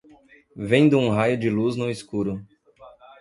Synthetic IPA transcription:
vẽj̃d̪ʊũɦajʊd͡ʒɪluznʊiskuɾʊ

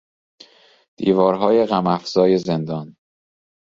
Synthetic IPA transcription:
d̪̥iːvɒːɾɦɒːjeɣæmæfz̥ɒːje̞zend̪ɒːn

